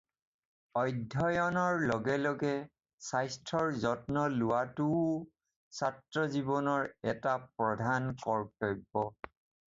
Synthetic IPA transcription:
ɔjdʱɔjɔnɔɹlɔɡɛlɔɡɛ | sajstʰɔɹzɔtnɔlʊwatʊ | satɹɔzibɔnɔɹɛtapɹɔdʱankɔɹkɔjbːɔ

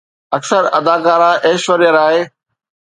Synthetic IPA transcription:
ɐksəɾɐd̪aːkaːɾaːʔeːʃʋəɾijəɾaːɦeː

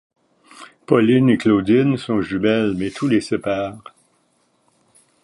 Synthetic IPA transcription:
pɔlɪnekloːd̪ɪnsɔ̃ʒybɛlmɛt̪ʰulesepaːʁ

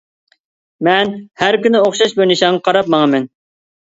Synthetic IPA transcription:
mɛnhæɾkʲynɪoχʃɑʃbojnɪʃɑŋːɑqʰɑɾɑp̚mɑŋɑmɛn

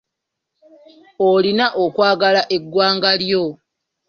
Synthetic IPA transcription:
olinaʔokwaːɡalaʔe̞ɡːwaːŋɡaljo

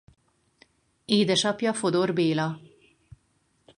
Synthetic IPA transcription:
eːd̪ɛʃɒpjɒfo̞d̪o̞rbeːlɒ

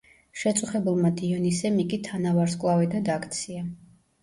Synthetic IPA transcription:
ʃɛt̪sʼuχɛbulˠmad̪iɔnisɛmikʼit̪ʰanavaɾskʼlˠavɛd̪ad̪akʰʼt̪sʰia

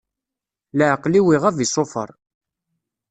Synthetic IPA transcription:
ləʕqliwiʁævisˤofə̰ɾˤ

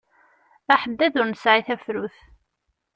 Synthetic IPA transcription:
æħəd̪ːæðʊɾnəsʕiθæfɾuθ

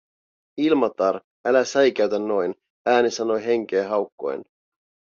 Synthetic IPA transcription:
ilmɑt̪ɑɾ | ælæsæjk̟æɥt̪ænːo̞jn | æːnisɑno̞jɦe̞ŋk̟eːɦɑwkːo̰ḛn

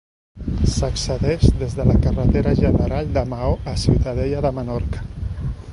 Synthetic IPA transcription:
səksəðɛʃðezðələkərət̪eɾəʒənəɾald̪əmaoʔəsiwt̪əðeʎəðəmənɔɾkə̥

